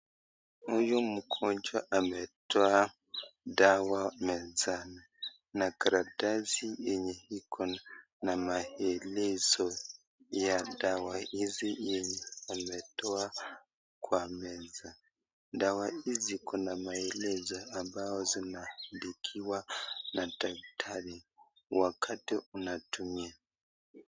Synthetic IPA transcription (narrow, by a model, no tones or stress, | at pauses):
hujum̩kʰɔɲd͡ʒaʔamɛtɔa | dawamɛzana | nakaɾadazijɛɲɛhikʰɔn | namaɛlɛzɔ | jadawahizijɛɲɛamɛtɔa | kwamɛza | dawaizikʰɔnamaɛlɛzaambaɔzinahandikʰiwanataktʰaɾi | wakʰatiunatumia